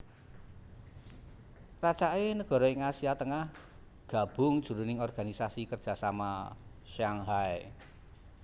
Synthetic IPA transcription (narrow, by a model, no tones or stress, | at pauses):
rat͡ʃaenəɡ̥ɔ̤ɾɔɪŋasiat̪əŋah | ɡ̥a̤b̥ʊ̤ŋd̥ʒ̥ṳɾunɪŋɔrɡ̥a̤nisasikərd̥ʒ̥a̤samaʃaŋɦae